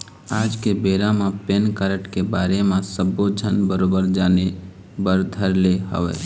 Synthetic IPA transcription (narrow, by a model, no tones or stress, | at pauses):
aːd͡ʒkebeːɾãmẽpeːnkəɾəʈkebaːɾemẽsəbod͡ʒʱənbəɾoːbəɾd͡ʒaːne | bəɾd̪ʱəɾleɦə̰ʋḛː